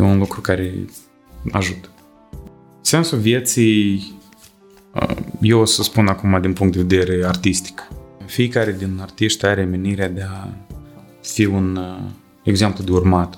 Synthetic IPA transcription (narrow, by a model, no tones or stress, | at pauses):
jeunlukɾukaɾḛ | a̰ʒut̪ə̥ | nse̞nsuvjet̪sij | ə̰jewosəspunakumad̪inpuŋk̪t̪d̪eved̪eɾeart̪ist̪i̥kfiekaɾed̪inart̪iʃt̪ʲaɾe̞me̞niɾead̪ea | fiun | eɡze̞mplud̪eurmat̪